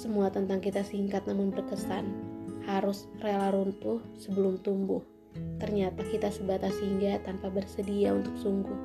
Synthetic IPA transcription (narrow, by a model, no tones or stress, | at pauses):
səmuat̪ənt̪aŋkit̪asiŋkat̪̚namʊnbərkəsanhaɾʊsrealaɾunt̪ʊsəbəlʊmt̪umbʊh | t̪ərɲat̪akit̪asubat̪asiŋɡat̪anpabərsədiaunt̪ʊk̚suŋɡʊh